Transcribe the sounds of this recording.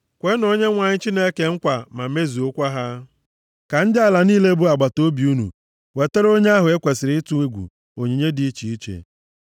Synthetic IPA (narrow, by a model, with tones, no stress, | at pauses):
kʷe˦no˨ɲe˦ŋʷa˨ɲɪ˦t͡ʃi˦ne˦ke˨ŋ̩˦kʷa˨ma˨me˦zi˨o˦kʷa˦ɦa˦ | ka˨n̩˦dɪ˦a˨la˨niː˦le˦bu˦a˨ɡ͡ba˨to˦bi˨u˦nṵ˨ | we˨te˦ɾo˦ɲe˦a˦ɦʊ˨e˦kʷe˨sɪ˨ɾɪ˦i˦tu˦i˦ɡʷṵ˨ | o˨ɲi˨ɲe˦dɪ˨i˦t͡ʃi˨i˦t͡ʃḛ˨